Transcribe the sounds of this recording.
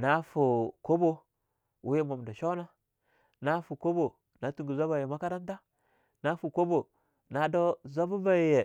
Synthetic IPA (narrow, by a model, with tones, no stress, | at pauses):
na˦fu˨ko˦bo˦ | wu˦je˦mo˨mda˨ʃo˦na˦ | na˦fu˨ko˦bo˨ | na˨tu˦ŋɡi˨za˦ba˨je˨ma˦ka˦da˦n˦ta˦ | na˦fu˨ko˦bo˨ | na˨do˦za˦bu˦ba˦ji˨je˨